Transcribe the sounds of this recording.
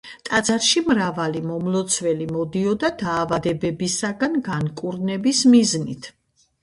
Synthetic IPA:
t̪ʼad̪zaɾʃimɾavalimɔmlˠɔt̪sʰvɛlimɔd̪iɔd̪ad̪aːvad̪ɛbɛbisaɡanɡankʼuɾnɛbismiznit̪ʰ

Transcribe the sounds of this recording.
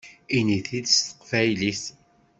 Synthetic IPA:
iniθid̪st̪ə̥qfæjlis

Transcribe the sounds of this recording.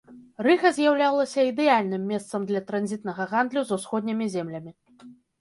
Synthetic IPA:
rɨɣɐzʲjawlʲawlˠɐsʲɐid̪ɛjalʲnɨmːʲɛst̪sɐmd̪lʲɐt̪ɾanzʲit̪nɐɣɐɣand̪lʲuzusxɔd̪ʲnʲimʲizʲɛmlʲɐmʲi

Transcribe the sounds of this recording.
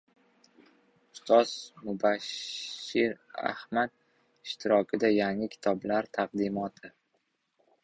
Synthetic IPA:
ʊst̪ʰɒsmʊbaʃːɪɾa̰hmad̪̚ | ɪʃt̪ʰɪɾɒkʲʰɪd̪ajaŋɪkʲʰɪ̥t̪ʰɒblaɾt̪ʰaqd̪ɪmɒt̪ʰɪ

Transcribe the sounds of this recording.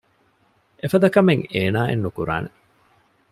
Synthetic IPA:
efɐd̪ɐkɐmeŋeːnaːʔḛnːukuɾa̰ːne

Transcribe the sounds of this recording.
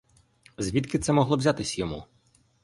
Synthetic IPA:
zʲʋʲit̪kɪt̪sɛmɔɦlˠɔʋzʲat̪ɪsʲɐjɔmṵ

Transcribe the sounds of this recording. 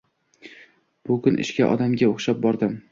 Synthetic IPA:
b̥ʊkʰʊnʔɪ̰ʃkʲaʔɒ̰d̪amɡʲaoχʃap̚bɒɾd̪ɪm

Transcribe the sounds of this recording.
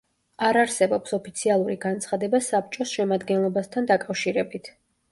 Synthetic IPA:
aɾaɾsɛbɔpsɔpʰit̪sʰialˠuɾiɡant̪sʰχad̪ɛbasap̚t͡ʃʼɔsʃɛmad̪ɡɛnlˠɔbast̪ʰand̪akʼafʃiɾɛbit̪ʰ

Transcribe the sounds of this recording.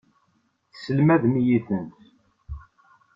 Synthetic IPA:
θsəlmæðmijiθənt̪

